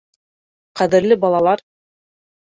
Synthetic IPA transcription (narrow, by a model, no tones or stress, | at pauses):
qæðɘ̆ɾlɘbɑlˠɑlˠɑɾ